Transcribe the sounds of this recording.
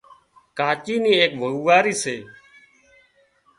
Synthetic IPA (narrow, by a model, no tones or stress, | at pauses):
kaːt͡ʃiːniːeːkʋʱəuːʋaːɾiːseː